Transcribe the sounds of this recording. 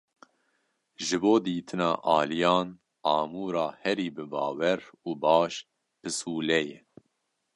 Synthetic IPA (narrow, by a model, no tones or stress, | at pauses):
ʒɨboːd̪iːt̪ʰɨnɑ̰ːʔɑːlijɑːn | ɑːmuːɾɑːhɛɾiːbɨbɑːwɛɾuːbɑːʃ | pɨsuːlɛjɛ